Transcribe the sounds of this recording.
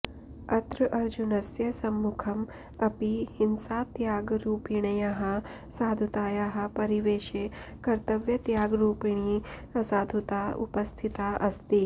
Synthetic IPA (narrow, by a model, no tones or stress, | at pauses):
ɐt̪ɾɐʔɐɾd͡ʑunɐsjɐsɐmːukʰɐm | ɐpihinsaːt̪jaːɡɾuːpiɳɐjaɦɐ | saːd̪ʱut̪aːjaɦɐpɐɾiʋeːʃekɐɾt̪ɐʋjɐt̪jaːɡɾuːpiɳ̃isaːd̪ʱut̪aṵpɐst̪ʰit̪aʔɐst̪iː